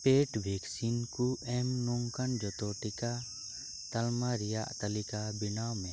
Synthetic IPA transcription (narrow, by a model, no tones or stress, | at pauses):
peʈbʱɛksinkuɛmnuŋkand͡ʒɔt̪ɔʈika | t̪ɐlmaɾijaʔt̪ɐlikabinawmɛ̃